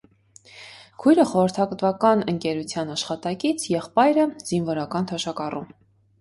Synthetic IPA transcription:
kʰujɾəχɔɾəɾt̪ʰɑɡət̪vɑkɑnəŋkɛɾut͡sʰjɑnɑʃχɑt̪ɑkit͡sʰjɛχpɑjɾəz̥invɔɾɑkɑnt̪ʰɔʃɑkɑrum

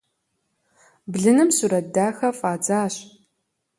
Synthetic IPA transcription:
bɮɨnɨmsuɾɐdaːxɐfʼaːd͡zaːɕ

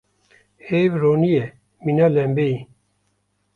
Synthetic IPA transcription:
heβɾoːnije | minalɛmbei

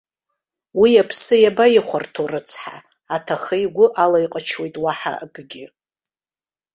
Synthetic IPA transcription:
wiapʰsɨjabajɪχʷartʰorɨt͡sʰħa̰ | atʰaχejɡʷʊʔalajqʼat͡ʃʰwe̞jtʼwaħa̰a̰ɡɨɡʲɪ

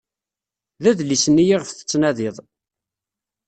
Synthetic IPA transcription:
ðæðlisənːijiʁəfθə̥t͡sːnæðɪðˤ

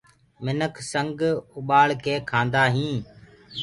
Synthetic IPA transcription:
mɪnəkʰsəŋɡʊɓaːɭkeːkʰãːnd̪aːɦĩː

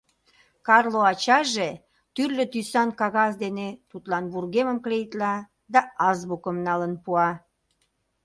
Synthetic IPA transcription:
kɑrloɑt͡ɕɑʒe | t̪yrlø̆t̪ysɑnkɑɣɑsd̪enet̪ut̪lɑnβurɣeməmklejt̪lɑ | d̪ɑɑzβukəmnɑlənpuɑ

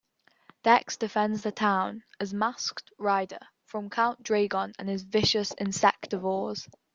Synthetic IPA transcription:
d̥ɛksd̥ɪfɛ̃ndzðətʰãʊ̃nəzmasktɹaɪdə̰ | fɹə̃mkʰãʊ̃ndɹeɪɡɒ̃nə̰̃nɪzvɪʃəsɪ̰̃nsɛk̚təvɔːz̥

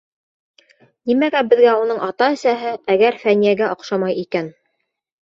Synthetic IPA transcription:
nimæɡæbɘ̆ðɡæunɤɴʔɑt̪ɑæ̆sæɦɘæɡæɾfænijæɡæʔŏqʃɑmɑjikæn

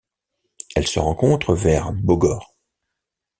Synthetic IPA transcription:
ɛlsə̰ʁɑ̃kɔ̃t̪χəvɛʁboɡɔːʁ

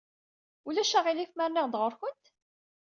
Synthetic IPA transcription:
ulæʃæʁilikmæɾnæʁd̪ʁəɾçənt̪

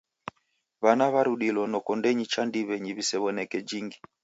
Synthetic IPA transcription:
βanaβaɾuɗilɔnɔkɔndɛɲit͡ʃandiβɛɲiβisɛβɔnɛkɛd͡ʒiŋɡi

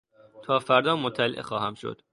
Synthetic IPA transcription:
t̪ʰɒːfæɾd̪ɒːmot̪ʰːæleʔḛxɒːhæmʃo̰d̪̥

